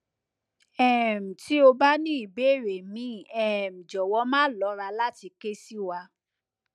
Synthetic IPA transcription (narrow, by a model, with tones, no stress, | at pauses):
ɛ˦˨m̩̃˨ti˦o˧ba˦nĩ˦i˨be˨˦˨ɾe˨mĩ˨˦˨ɛ˦˨m̩̃˨d͡ʒɔ˨wɔ˧˦mãː˦lɔ˨˦ɾa˧la˦ti˧ke˦si˦wa˧˦